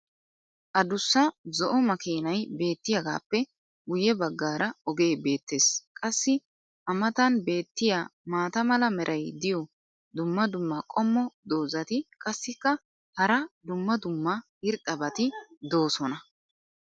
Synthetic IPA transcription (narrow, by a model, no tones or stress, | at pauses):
ʔɐd̪ʊsːɐzɔʔɔmɐkeːnɐjbe̞ːt̪ːɪjɐɡa̰ːpːɛ | ɡʊjɛbɐɡːaːɾʔɐɔɡe̞ːbe̞ːt̪ːe̞ːskʼɐsːɪ | ʔɐmɐt̪ɐnbe̞ːt̪ːɪjaːmaːt̪ɐmɐlɐmɛɾʔɐjd̪ɪjɔ | d̪ʊmːɐd̪ʊmːɐkʼɔmːɔd̪o̞ːzɐt̪ɪkʼɐsːɪkːɐ | hɐɾɐd̪ʊmːɐd̪ʊmːɐhɪɾt̪ʼːɐbɐt̪ɪd̪o̞ːsɔnɐ